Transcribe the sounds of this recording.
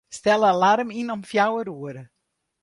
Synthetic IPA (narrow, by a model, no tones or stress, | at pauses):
stɛlˠəlaɾəminɔmfjawəɾuəɾə